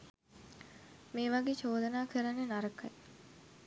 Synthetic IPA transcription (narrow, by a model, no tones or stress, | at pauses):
meːʋaɡeːt͡ʃoːd̪ənaːkəɾɐnːenaɾəkɐ̰j